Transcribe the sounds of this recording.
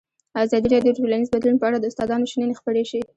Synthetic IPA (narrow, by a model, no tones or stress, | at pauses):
ɑzɑd̪iɾɑɖjoʈolanizbad̪lunpəaɽad̪əʊst̪ɑd̪ɑnoʃinənexpəɽeʃi